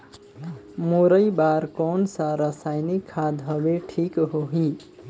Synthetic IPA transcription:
moɾəjbaɾkɔnsaɾəsajnikʰːad̪ʱɦʌbeʈʰikɦoɦi

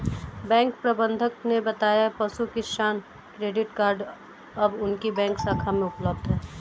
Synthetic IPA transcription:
bɛ̃ːŋk̚pɾɐbə̃nd̪ʱək̚nebɐt̪aːjaɛpɐsukɪʃaːn | kɾeːɖɪʈkaːɾɖ | ɐbʊnkibɛ̃ːŋksaːkʰamẽʊpləb̚d̪ɦɛː

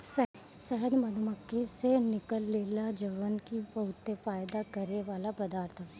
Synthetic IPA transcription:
s | sɛɦəd̪mɐd̪ʱməkːisenɪkəlːeːlad͡ʒɐʋənkibɐɦʊt̪ːefaːɪd̪akɐɾeʋaːlapɐd̪aːɾt̪ʰəb

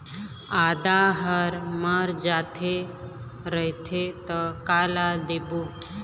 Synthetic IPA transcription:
ad̪aɦəɾməɾd͡ʒat̪ʰe | ɾəɦt̪ʰet̪ɔkalad̪ebu

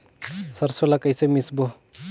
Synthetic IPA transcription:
sɐɾsolakəjsemisbo

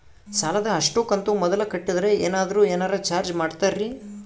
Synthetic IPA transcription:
saːlɐd̪ɐːʂʈuːkɐnt̪umɔd̪ɐlɐkɐʈːid̪ɐɾe̞eːnaːd̪ɐɾuːeːnaːɾɐt͡ʃaːɾd͡ʒmaːɖt̪aɾɾi

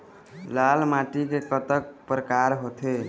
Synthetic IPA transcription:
lalmaʈikekət̪ək̚pɾəkaɾɦot̪ʰe

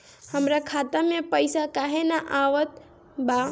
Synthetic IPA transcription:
həmɾakʰat̪amẽpəjsakaɦenaʔaʋət̪ | ba

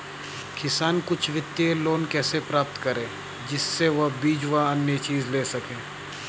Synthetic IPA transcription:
kɪsaːnkʊt͡ʃʰʋɪt̪ːjeloːnkɛːsepɾaːp̚t̪kɐɾẽː | d͡ʒɪsːeʋɐɦbiːd͡ʒʋaɐnjət͡ʃiːzleːsɐkẽː

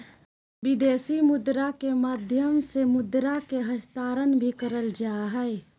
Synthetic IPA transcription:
bɪd̪eːsimʊd̪ɾakemaːd̪ʱjəmsemʊd̪ɾakeɦəst̪aːɾənbʱikəɾəld͡ʒaːɦɛe

